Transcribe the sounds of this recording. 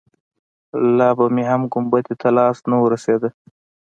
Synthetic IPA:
lɑbameɦamɡʊmbat̪et̪ʰalɑsnawəɾased̪ə

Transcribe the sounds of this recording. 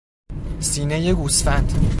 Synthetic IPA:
siːnejeɡusfænd̪̥

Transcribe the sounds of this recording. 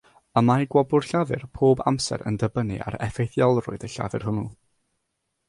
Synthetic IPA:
əmajɡwɔbʊr̥ɬaðɨrpʰoːba̰msɛ̰ɾə̰ndəbənɨ̰ʔa̰ɾɛfejθjɔlˠrʊ̰ɨdəɬa̰vɨr̥ɦʊnu

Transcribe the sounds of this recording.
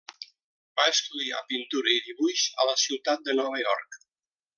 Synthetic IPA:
baeskulia̰pint̪uɾəiðiβuʃələsiwt̪at̪̚d̪ənɔβəjɔ̰rk

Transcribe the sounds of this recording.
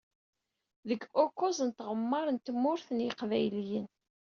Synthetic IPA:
ðəɡokːʊzənt̪ʁəmːəɾˤənt̪mːʊɾθənjəqvæjljən

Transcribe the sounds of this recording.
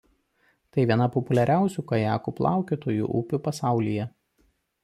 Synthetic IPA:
t̪ɐɪʋʲiɛnɐpɔpʊlʲɛɾʲæˑʊsʲuːkɐjæːkuːplˠɑ̰ˑʊkʲit̪oːjṵːʔuːpʲʊpɐsɑˑʊlʲijɛ

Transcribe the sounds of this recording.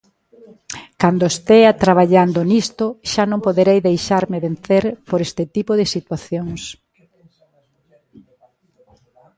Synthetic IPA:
kand̪oest̪eat̪ɾaβ̞aʎand̪onist̪oʃanõmpoðeɾejðejʃaɾmɪβen̟θeɾpoɾest̪ɪt̪ipoðɪsit̪waθjoŋs

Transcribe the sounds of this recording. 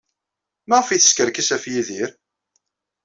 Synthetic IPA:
mæʁəfiθə̥skəɾkəsæfjiðiɾ

